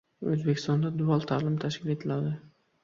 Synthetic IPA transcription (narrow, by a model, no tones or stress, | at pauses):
ɵzbekʲʰɪst̪ɒnd̪ad̪ʊalˠt̪ʰalɪmt̪ʰaʃkʲɪle̞t̪ʰɪlad̪ɪ